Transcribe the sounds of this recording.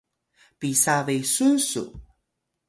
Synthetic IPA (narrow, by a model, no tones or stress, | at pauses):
pisavejsusṵ